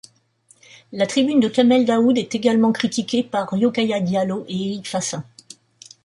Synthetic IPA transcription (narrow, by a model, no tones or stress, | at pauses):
lat̪χibynd̪əkʲamɛld̪aud̪ɛt̪eɡalmɑ̃kχit̪ikʲepaʁjokajad̪jaloʔeeʁikfasɛ̃